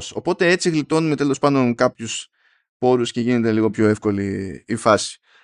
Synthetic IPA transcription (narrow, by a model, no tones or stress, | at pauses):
so̞po̞t̪e̞e̞t͡siɣlit̪o̞nume̞t̪e̞lo̞spɐnd̪o̞nkɐpçus | po̞ɾusce̞ʝine̞t̪e̞liɣo̞pço̞e̞fko̞liːfɐsi̥